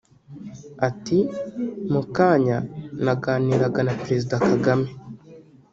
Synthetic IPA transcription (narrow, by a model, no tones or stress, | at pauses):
atimukaːɲanaɡaːniːɾaɡanapɾe̞zidakaɡame